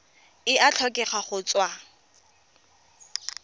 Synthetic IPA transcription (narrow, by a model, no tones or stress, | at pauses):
ɪʔat͡ɬʰɔkʼɛχaχʊt͡swa